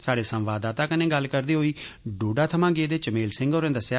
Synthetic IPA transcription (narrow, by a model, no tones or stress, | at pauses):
saːɽeːsə̃mʋaːd̪aːt̪aːkənẽːɡəlkəɾd̪iːɦoːiː | ɖoːɖaːt̪ʰəmãːɡeːd̪eːt͡ʃəmeːlsɪ̃ŋɡoːɾẽːd̪əsjaː